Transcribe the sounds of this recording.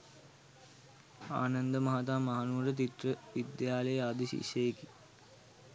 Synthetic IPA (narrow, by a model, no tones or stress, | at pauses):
a̰ːnɐnd̪əmaɦat̪aːmaɦanuːɾət̪̬it̪rəʋid̪jaːləjəad̪iɕḭʃejeki